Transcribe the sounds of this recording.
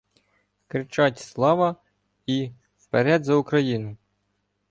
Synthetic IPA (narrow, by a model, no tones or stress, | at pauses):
kɾɪt͡ʃɑtʲslˠɑʋɐ | i | wpeɾɛd̪zɐʊkɾɐjinʊ